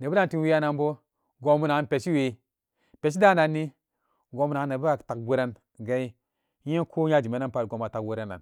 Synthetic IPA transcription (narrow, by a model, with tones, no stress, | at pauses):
ne˨bu˦da˦nti˦nwi˦ja˦na˧nbo˦ | ɡo˨mu˦na˨˦npe˨t͡ʃi˦we˨ | pe˨t͡ʃ̬i˦da˦na˨nːi˦ | ɡo˨mu˨na˨˦nːe˨bu˦a˨ta˨k̚ɡu˦ɾa˦n | ɡa˦i˦ | e˦nkʰo˦ɲa˦d͡ʒi˨me˨˦na˦npa˨tɡo˨ma˨ta˨kɡu˦ɾa˦n˨a̰˨n